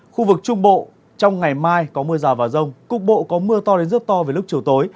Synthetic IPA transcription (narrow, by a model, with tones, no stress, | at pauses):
xu˧vɨ˨˩k̚t͡ɕʊ˧ŋ͡mɓo̰˧˨ | t͡ɕɔ˧wŋ͡mŋa˨˩jmaː˧jkɔ˨˦mɨ˧əzaː˨˩vaː˨˩zə˧wŋ͡mkʊ̰˧˨ŋ͡m̚ɓo̰˧˨kɔ˨˦mɨ˧ət̪ɔ˧le˨˧˦nzə˦˥t̚t̪ɔ˧ve˨˩jlʊ˦˥k̚t͡ɕi˨˩əwt̪o˨˦j